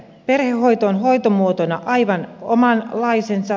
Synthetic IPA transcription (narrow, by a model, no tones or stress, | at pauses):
perhehːo̞jt̪oːnɦo̞it̪omuot̪onɑʔɑiʋɑnomɑnlɑisensɑ